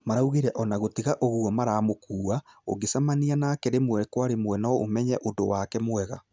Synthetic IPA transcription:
maɾauɣiɾɛʔɔnaɣotiɣaʔoɣuɔmaɾaːmokuːao̰ɡesamanianaːkɛɾemwɛkwaɾemwɛnɔo̰mɛɲɛʔodowakɛmwɛɣa

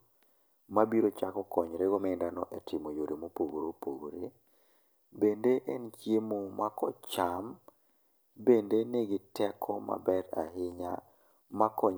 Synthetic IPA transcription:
mabiɾot͡ʃakɔkɔɲɾeɡomɛndanɔʔɛtɪmojoɾimopoɡɾopoɡɾe | bendeʔɛnt͡ʃemomakɔt͡ʃam | bendenɛeɡɪtɛkʰɔma̰bɛɾa̰ɦɪɲa̰ | makɔɲ

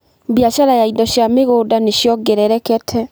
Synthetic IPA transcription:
bjaʃaɾajaidɔʃjameɣoːdaneʃjɔɡɛɾɛɾɛkɛtʰɛ

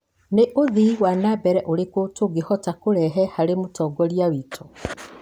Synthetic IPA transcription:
neʔoðiwanabɛɾɛʔoɾekotoɡehɔtakoɾɛɦɛhaɾemotɔːɡɔɾjawiːtʰo̥

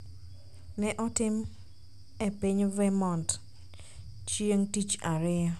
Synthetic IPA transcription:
nɛʔɔtɪm | epɪɲvɛmɔnt | t͡ʃieŋtit͡ʃaɾɪa

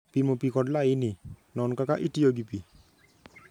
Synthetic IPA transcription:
pimopikɔdlaininɔnkakaʔitijoɡipi

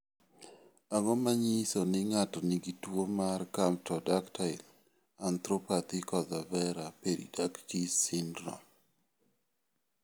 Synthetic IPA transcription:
aŋɔmaɲisonɪŋatɔniɡitwomarkam̚tɔdaktaɪl | ant̪ɾopat̪ɪkɔðavɛɾapeɾḭdakkisindɾɔ̰

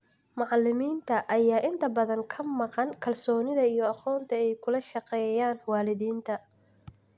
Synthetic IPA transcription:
mɑʕɑlɪmiːnt̪ʰɐʔɐjaːʔɪnt̪ʰɐbɐðɐŋkʰɐmɑqɑŋkʰɐlsɔːnɪðɐijɔɑqɔːnt̪ʰɐɛjkʰʊlɐʃɑqɛːjaːnwɑːlɪðiːnt̪ʰɐ

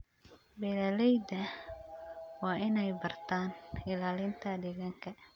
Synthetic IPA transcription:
belɛlejd̪ɛ | wainaibart̪anilalint̪adiɡaŋkɛ

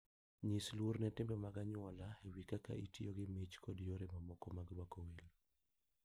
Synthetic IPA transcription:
ɲislwoɾnɛtembɛmaɡaɲwɔlaewikaka̰ʔitioɡɪmɪt͡ʃkʰɔdjoɾemamɔkɔmaɡɾwakɔwelo

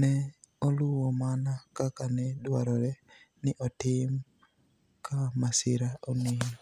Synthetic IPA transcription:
nɛoluwɔmanakakanɛdwaɾɔɾɛ | nɪʔɔtɪm | kamasiɾaoni

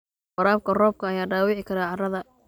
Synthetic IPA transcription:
wɐɾaːb̚kʰɐrɔːb̚kʰɐːjaːɖaːwɪʕɪkʰɐɾaːʕɑrɐðɐ

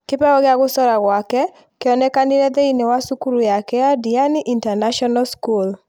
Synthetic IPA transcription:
kɪpɛɔɣɪaɡʊsɔɾaɣwakɛ | kɪɔnɛkandɪɾɛd̪einewasukuɾujakɛadianɪʔintanaʃɔnaskul

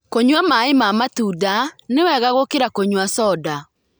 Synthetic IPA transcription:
koɲwamaemamatudanewɛɣaɣokeɾakoɲwasɔda

